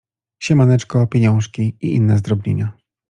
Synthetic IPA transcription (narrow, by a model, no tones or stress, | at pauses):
ɕɛmanɛt͡ʂkɔpʲjeɲɔ̃w̃ʂkʲiiʔinːɛzd̪ɾɔblʲḛɲa